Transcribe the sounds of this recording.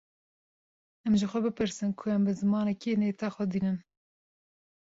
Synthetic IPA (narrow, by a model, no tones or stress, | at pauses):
ɛmʒɪxʷɛbɨpɨɾsɨnkʰʊɛmbɨzɨmɑːnɛkineːt̪ɑːxʷɛd̪iːnɨn